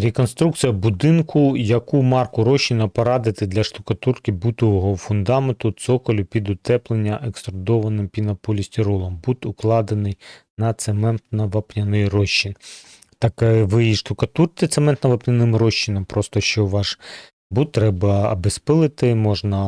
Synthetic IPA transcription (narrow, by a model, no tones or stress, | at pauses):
ɾʲekɔnst̪ɾuk̪̚t͡sʲijɐbud̪ɪnkʰʊjɐkumɑrkʊɾɔʃːinɐpɔɾɑd̪ɪt̪ɪd̪lʲɐʃt̪ʊkɐt̪urkʲibut̪ɔʋɔɦɔfʊnd̪ɑment̪ʊt̪sɔkɔlʲʊpʲid̪ʊt̪ɛplˠenʲːɐʔekst̪ɾɔd̪ɔʋɐnɪmpʲinɐpɔlʲisʲt̪ʲiɾɔlˠɐmbut̪ʊklˠɑd̪enɪjnɐt̪semɛnt̪nɐʋɐpnʲɐnɪjrɔʃːin | t̪ɑkʋɪiʃt̪ʊkɐt̪urt̪ɪt̪semɛnt̪nɐʋɐpnʲɐnɪmrɔʃːinɐmpɾɔst̪ɔʃt͡ʃɔʋɑʃ | but̪ːɾɛbɐbespɪlˠɪt̪ɪmɔʒnɐ